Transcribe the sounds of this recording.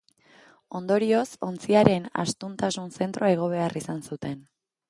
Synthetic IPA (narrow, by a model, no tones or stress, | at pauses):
o̞nd̪o̞ɾio̞so̞nt͡siaɾe̞na̰st̪unt̪asunse̞nt̪ɾoaeɣ̞o̞β̞e̞arisansut̪e̞n